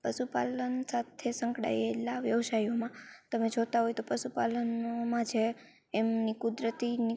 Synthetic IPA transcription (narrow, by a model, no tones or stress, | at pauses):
pəʃupa̰lənsat̪ʰesəŋkɽa̰jelaʋjəʋsajomãt̪əmed͡ʒot̪aɦojt̪opəʃupalənomãt͡ʃʰeː | mnikud̪ɾət̪ini